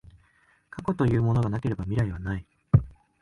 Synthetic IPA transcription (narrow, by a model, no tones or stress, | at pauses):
kʰako̞t̪o̞jɯ̟ːmo̞no̞ɡanake̞ɾe̞bamʲiɾaiβ̞anai